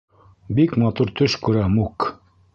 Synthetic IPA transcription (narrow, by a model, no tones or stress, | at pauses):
bikmɑt̪uɾt̪ʰɵʃkʉɾæmuk